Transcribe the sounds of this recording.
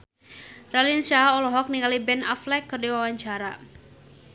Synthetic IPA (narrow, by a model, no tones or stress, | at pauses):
ralinsaɔlɔɦɔk̚niŋalibɛnaflɛkːərdiwawaɲt͡ʃaɾa